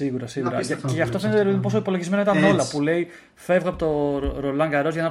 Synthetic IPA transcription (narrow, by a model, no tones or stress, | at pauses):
iɣuɾɐsiɣuɾɐ̰ʝɐceʝɐft̪o̞fe̞net̪eɾot̪imposo̞ipolo̞ʝizme̞nɐit̪ɐno̞lɐpule̞i | fe̞vɣoɐpot̪o̞ɾo̞lɐŋɡɐɾo̞zʝɐnɐ